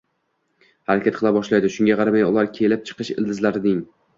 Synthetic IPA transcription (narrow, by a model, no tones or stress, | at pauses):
haɾakʲat̪̚qʰɨlˠabɒʃlajd̪ɪʃʊŋʲaqʰɑɾamajʊlˠaɾkʲʰe̞lɪp̚t͡ʃʰɨ̥qɨʃɪ̰ld̪ɪzlaɾɪnɪŋ